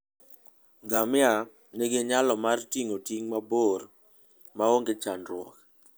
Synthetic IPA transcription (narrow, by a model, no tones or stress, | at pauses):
ɡamɪa | nɪɡɪɲalɔmartiŋotiŋmabor | maoŋɡɪt͡ʃanɾwɔ̰k